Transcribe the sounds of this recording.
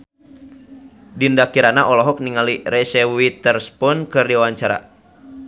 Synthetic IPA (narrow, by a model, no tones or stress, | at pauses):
dindakiɾanaʔɔlɔɦɔk̚niŋaliɾɛsɛwit̪ərspɔnkɨrdiwawaɲt͡ʃaɾa̰